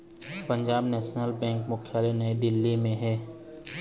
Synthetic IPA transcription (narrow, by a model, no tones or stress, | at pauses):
pə̃ɲd͡ʒaːbnɛːʃnəlbɛ̃ːŋkmʊkʰjaːlenɐed̪ɪlːimẽɦɛː